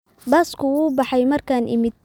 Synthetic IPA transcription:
bɐskʰʊuːbɑħɑjmɐrkʰaːnʔɪ̰mɪd̪̚

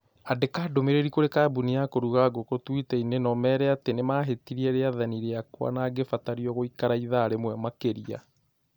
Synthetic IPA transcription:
adekaːdomeɾeɾikoɾekabuniakoɾuɣaɡokotwitɛinenɔmɛːɾɛatenemaɦetiɾiɛɾeaðaniɾeakwa̰naːɡefataɾiɔɣoikaɾaiðaːɾemwɛmakeɾia̰

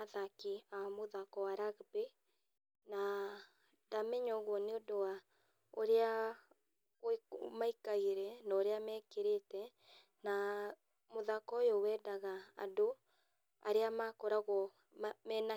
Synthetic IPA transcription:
aðakiamoðakɔwaɾaɣbe | na | damɛɲɔɣwɔneodowa | oɾea | omaikaiɾɛnaoɾeamɛːkeɾetɛ | na | moðakɔjowɛːdaɣaa̰do | a̰ɾeamakɔɾaɣɔ | mɛna

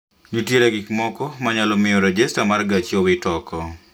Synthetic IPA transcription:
nutjeɾaɡɪkmɔkɔmaɲalɔmɪjɔɾɔd͡ʒestamarɡat͡ʃiowɪtɔkɔ

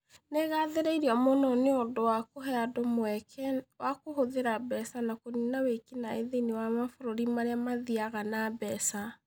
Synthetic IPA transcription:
neɣaðeɾeiɾiɔmonɔneondowakoɦɛadomoɛkʰɛwakohoðeɾabɛsanakoninawekinaeðenewamafoɾoɾimaɾeamaðiaɣanabɛsa

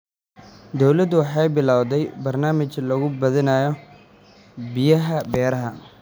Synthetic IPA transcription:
d̪ɔwlɐd̪ʊwɑħɑjbɪlaːwd̪ɛjbɐrnaːmɪt͡ʃlɐɣʊbɐðɪnajɔ | bɪjɐɦɐbɛːɾɐɦɐ

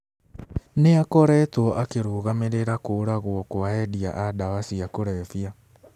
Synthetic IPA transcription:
neakɔɾɛtwɔʔakeɾoːɣameɾeɾakoːɾaɣwɔkoaɛdia̰ʔadawasiakoɾɛfia

